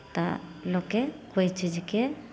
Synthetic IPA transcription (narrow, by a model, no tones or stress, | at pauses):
t̪alokɛkojt͡ʃid͡ʒikɛ